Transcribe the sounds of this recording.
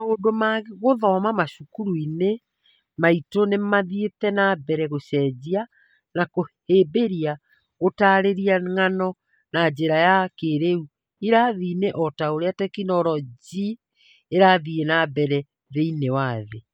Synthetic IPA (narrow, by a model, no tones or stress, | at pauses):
odomaɣɣoðɔmamaʃukuɾuine | maitonemaðietɛnabɛɾɛɣoɕɛd͡ʑia | nakoheːbeɾia | ɣotaɾeɾiaŋanɔ | nad͡ʑeɾajakeɾeu | iɾaðineʔɔtaoɾeatɛkinɔɾɔd͡ʑi | eɾaðienabɛɾɛ | ðeinewaðḛ